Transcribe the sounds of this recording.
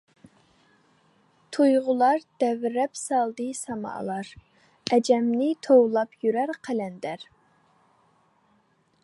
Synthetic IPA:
t̪ʰujʁʊlˠɑɾd̪̥ɛvɾɛpsɑlˠd̪ɨsɑmɑ̰ʔlˠɑɾ | ɛd͡ʒɛmnɪt̪ʰowlˠɑpʰjyɾæɾqʰælɛnd̪æɾ

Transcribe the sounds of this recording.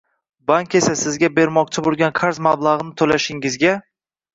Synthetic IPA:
baŋkʲe̞sasɪzɡʲabe̞ɾmɒq̚t͡ʃʰɪbolˠɡʲanqʰaɾzmablˠaʁɨnɪt̪ʰolaʃɪŋɪzɡʲa

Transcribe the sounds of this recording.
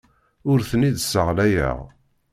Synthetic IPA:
ʊɾθəniðsəʁlæjə̰ʁ

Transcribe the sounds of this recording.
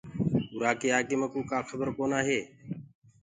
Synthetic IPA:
ʊɾaːkeːaːkeməkũːkaːkʰəbəɾkoːnaːɦeː

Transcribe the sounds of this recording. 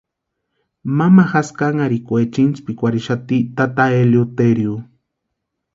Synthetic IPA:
mamaxaskaŋaɾikʷet͡ʃint͡ʃpikʷaɾiʃat̪it̪at̪aeljot̪eɾju

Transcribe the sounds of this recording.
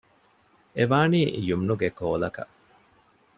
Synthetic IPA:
eʋaːniːjumnuɡekoːlɐkɐ̰ʔ

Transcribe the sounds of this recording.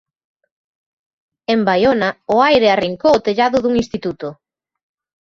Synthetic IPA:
embajonaʊajɾeariŋkowot̪eʎaðʊðuŋinst̪it̪ut̪ʊ

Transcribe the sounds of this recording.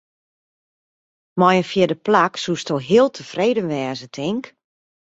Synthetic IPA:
mɔjənfjɪdəplaksustoɦiəlˠtʰəfreːdənʋɛːzətʰɪŋk

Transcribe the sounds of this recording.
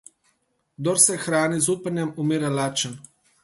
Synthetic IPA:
d̪ɔɾsɛxɾaːnizuːpənjɛmumiːɾalaːt͡ʃən

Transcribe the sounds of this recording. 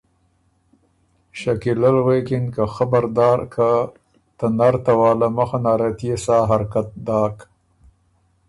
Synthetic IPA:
ʃakiləlwekɪnkaxabaɾd̪ɑːɾkʰa | t̪anaɾt̪awɑːlamaxanaːɾet̪jesaːɦaɾkat̪̚d̪ɑːk

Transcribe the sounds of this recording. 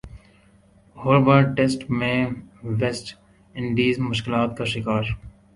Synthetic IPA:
hoːɾʋəɾʈesʈmẽʋesʈ | ɪ̃ɳɖiːzmʊʃkɪlaːt̪kaʃɪkaːɾ

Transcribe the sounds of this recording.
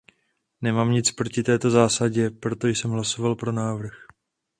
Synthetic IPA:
nɛmaːmɲɪt͡spɾo̞cɪt̪ɛːt̪o̞zaːsaɟɛpɾo̞t̪o̞jsɛmɦlaso̞valpɾo̞naːvr̩x

